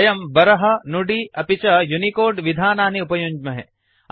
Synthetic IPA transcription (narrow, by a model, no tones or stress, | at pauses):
jɐmbɐɾɐɦɐnuɖiɐpit͡ʃɐjunikoːɾɖʋid̪ʱaːnaːniupɐjuɲd͡ʒmɐɦɛ̰